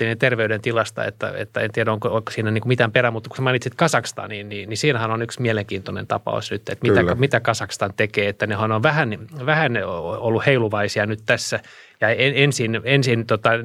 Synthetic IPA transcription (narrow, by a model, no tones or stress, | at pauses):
inent̪erʋeydent̪ilɑst̪ɑ̰ḛt̪ːæ̰ḛt̪ːæḛnt̪iɛɾæoŋkooksiːnæniːŋkumit̪æmperæmmut̪ːku̥semɑinit̪sit̪kɑsɑkst̪ɑ̰ːnninninisiːnæhænonyksmieleŋkiːnt̪onḛnt̪ɑpɑ̰o̰snyt̪ːḛt̪mit̪æɑmit̪ækɑsɑkst̪ɑnt̪ekeːet̪ːænehɑnoʋʋæhænʋæhænolːuheiluʋɑisiɑnyt̪t̪æsːæ | jɑeensinensint̪ot̪ɑ